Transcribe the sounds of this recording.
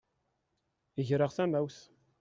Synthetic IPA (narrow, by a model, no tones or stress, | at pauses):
əʝɾəʁθæmæwθ